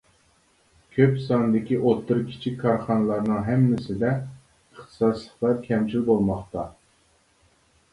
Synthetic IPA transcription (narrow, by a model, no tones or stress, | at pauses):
kʲʰøpsɑnd̪ɪkʲiʔot̪ʰːɨɾkʲʰi̥t͡ʃʰikʲkʰːɑɾχɑnɨlˠɑɾnɨŋɦɛmːɪsɪd̪ɛ | əχt̪ʰɨ̥sɑslˠəχlˠɑɾkʲʰɛmt͡ʃʰilbolˠmɑχt̪ɑ